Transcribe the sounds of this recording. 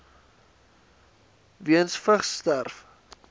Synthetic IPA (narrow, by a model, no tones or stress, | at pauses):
viənsfəχstærf